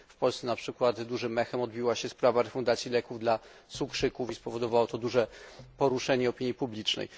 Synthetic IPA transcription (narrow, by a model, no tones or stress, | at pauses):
fpɔlsɛnapʂɘkwat̪d̪uʐɘmɛxɛmɔd̪̚bʲiwaɕɛspɾavaɾɛfund̪at̪sʲjilɛkuvd̪la | sukʂɘkufispɔvɔd̪ɔvawɔt̪ɔd̪uʐɛpɔɾuʂɛɲɛɔpʲiɲjipublʲit͡ʂnɛ̰j